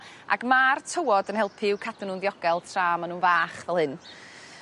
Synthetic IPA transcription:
a̰ɡmaːrtʰəwɔdənhɛlˠpʰɪwkʰadənunðjɔɡ̥ɛlˠtʰraːmanuːnvaːχvɛlˠhɨn

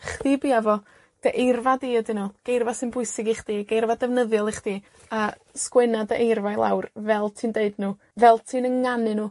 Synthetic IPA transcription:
χðiːbiːavɔ | d̥əʔejrvadiːədɪnɔɡ̥ejrvasɨnbʊɨsɪɡiχd̥iːaɡejrvadɛvnəðjɔlˠiχd̥iː | a | skwɛnadəʔejrvajlˠa̰wrvɛlˠtʰiːndeɨdnuː | vɛlˠtʰiːnəŋanɨnuː

